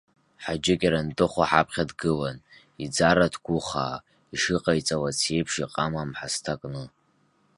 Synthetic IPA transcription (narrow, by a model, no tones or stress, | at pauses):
ħad͡ʒɪkʲʼaɾantʼɨχʷaħapʰχʲadɡɨlan | id͡zaɾatʰɡʷʊχa̰ː | iʂɨqʼajt͡sʼawat͡sʰe̞jpʰʂiqʼamamħastʰakʼnɨ